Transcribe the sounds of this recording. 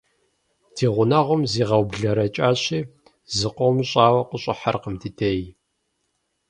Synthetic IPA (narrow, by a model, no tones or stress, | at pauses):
tʰiːʁʷʊnɐʁʷʊmziːʁɐwbɮɐɾɐt͡ʃʼaːɕiː | zɨqʷowmɕʼaːwɐqəɕʼɪħarqəmtʰiːtʰej